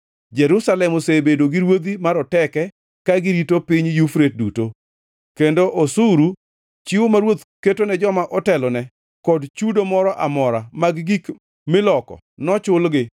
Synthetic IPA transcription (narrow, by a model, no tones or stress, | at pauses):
d͡ʒɛɾusalɛmosebedoɡɪɾwod̪imaɾɔtɛkɛ | kaɡɪɾitopiɲjufɾet̚duto | kendoʔosuɾu | t͡ʃɪwomaɾwot̪ketonɛd͡ʒɔmaʔɔtɛlɔnɛ | kɔdt͡ʃudomɔɾɔʔamɔɾamaɡɡik | mɪlɔkɔ̰ | nɔt͡ʃʊlɡɪ